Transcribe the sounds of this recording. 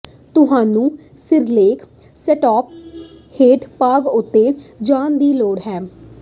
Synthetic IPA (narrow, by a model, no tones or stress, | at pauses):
t̪ʊɦaːnũː | sɪɾleːkʰ | sɛːʈɔːp̚ | heːʈpaːɡʊt̪ːeːd͡ʒaːnd̪iːloːɽɦɛː